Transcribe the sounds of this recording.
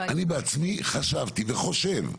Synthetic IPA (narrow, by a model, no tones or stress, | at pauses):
anibeat͡smiχaʃavt̪iveχo̞ʃe̞v